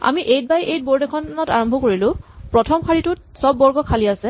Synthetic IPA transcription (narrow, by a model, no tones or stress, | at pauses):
a̰miʔejt̚bajʔejt̚boɹdɛkʰɔnɔtaɹɔmbʱɔkoɹilʊ̃pɹɔtʰɔmkʰaɹitʊt̚ | sɔbːɔɹɡɔkʰaliasɛ